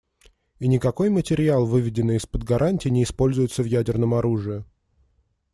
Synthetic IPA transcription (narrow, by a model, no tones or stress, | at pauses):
inʲɪkɐko̞jmətʲɪɾʲɪalˠvɨvʲɪdʲɪnːɨjɪspəd̪ɡɐɾʔanʲtʲɪːnʲɪːspo̞lʲzʊjʊt̪səvjædʲɪrnəmɐɾuʐɨjɪ